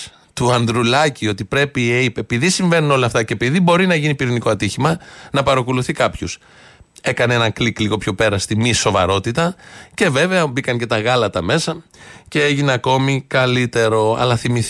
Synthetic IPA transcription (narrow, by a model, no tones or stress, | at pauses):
t̪uɐnd̪ɾulɐcio̞t̪ipɾe̞pieipepiðisiɱve̞nuno̞lɐft̪ɐce̞piðibo̞ɾinɐʝinipiɾiniko̞ɐt̪içimɐnɐpɐɾɐkoluθikɐpçus | e̞kɐnee̞nɐŋklikliɣo̞pço̞pe̞ɾɐst̪imiso̞vɐ̰ɾo̞t̪it̪ɐce̞ve̞veɐbikɐŋce̞t̪ɐɣɐlɐt̪ɐme̞sɐce̞eʝineɐko̞mikɐlit̪e̞ɾo̞ɐ̰lɐθimiθ